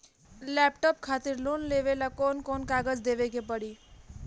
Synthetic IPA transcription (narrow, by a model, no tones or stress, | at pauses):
lɛpʈɔp̚kʰat̪iɾlunleʋelakonkonkaɡəd͡ʒd̪ebekepəɽi